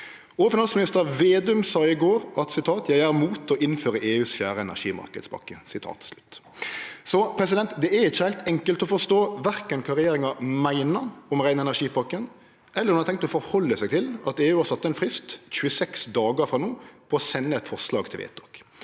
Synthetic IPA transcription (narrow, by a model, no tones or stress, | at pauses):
ofɪnɑnsmɪnɪst̪əɾɑʋeːd̪ʉmsɑːɪɡoːɾʔɑt̪sɪt̪ʰɑːt̪jæɪæɾmuːt̪ɔʔɪnføːɾəʔeːʉːsfjæ̰ːɾəɛnæ̰ʂiːmɑ̰ɾkəd̪spʰɑ̰kːəsɪt̪ʰɑ̰ːt̪slʉt̪ː | sɔpʰɾɛs̬ɪd̪ɛnt̪d̪ɛæɾɪçːəhæɪlt̪ɛŋkəlt̪ɔfɔst̪oːʋæɾkənkʰɑɾɪjeːɾɪŋɑmæɪnəɔmʁæɪnɛnæʂiːpʰɑkːən | ɛlːəɾɑnɑɪt̪ʰɛŋkt̪ɔfɔɾhɔlːəsæɪt̪ʰɪlɑt̪eːʉːɑɾsɑt̪ːəɛnfɾɪst̪c͡çʉːəsɛksd̪ɑːɡəfɾɑnuːpʰɔːsɛnːəɛt̪fɔʁslɑ̰ːɡt̪ʰɪlʋḛːt̪ɔk